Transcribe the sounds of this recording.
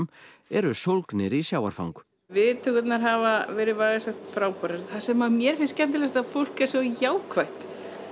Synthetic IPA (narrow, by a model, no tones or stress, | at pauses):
m | ɛɾʏsowlknɪɾisjaːwaɾ̥fa̰wŋk | vɪt̪ʰʏkʏt̪naɾɦavavɛːɾɪvaːɣasɛxt̪fɾaːwpɔɾaɾθasɛmamjɛɾ̥fɪnscɛnt̪ɪlɛst̪aðfowl̥kɛɾ̥svɔjaːwkʰvajht̪